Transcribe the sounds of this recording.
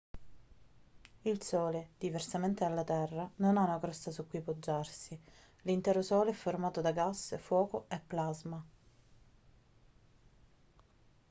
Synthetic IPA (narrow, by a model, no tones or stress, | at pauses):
ilsɔːled̪iversament̪ealːat̪ɛrːanonaunakɾɔst̪asukːijpod͡ʒːarsi | lint̪ɛːɾosɔːleɛfːormaːt̪od̪aɡasːfwɔːkoepːlazma